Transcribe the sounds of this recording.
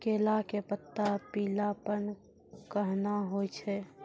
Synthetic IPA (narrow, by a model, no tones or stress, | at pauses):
keːlakepət̪ːapiːlapən | kəɦnaɦot͡ʃʰɛ